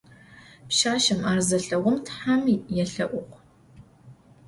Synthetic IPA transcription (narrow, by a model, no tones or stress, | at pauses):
pʃaːʃɐmaːrzɐɬɐʁʷʊmtħamijɛɬɐʔʷʊqʷ